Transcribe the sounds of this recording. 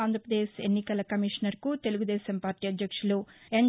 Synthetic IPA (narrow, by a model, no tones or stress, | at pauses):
aːnd̪ʱɾɐpɾɐd̪eːsenːikɐlɐkɐmiʂnɐɾkut̪e̞luɡud̪ɛːsɐmpaːɾʈiːɐd̪jɐkʂuloen